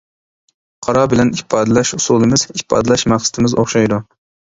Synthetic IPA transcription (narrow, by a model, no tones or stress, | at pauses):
qʰɑɾɑbɪlɛnipʰːɑːd̪ɪlɛʃusulˠɨmɪz̥ipʰːɑ̰ːd̪ɨlɛʃmæχsɨ̥t̪ʰɪmɪzo̰χʃɑjd̪u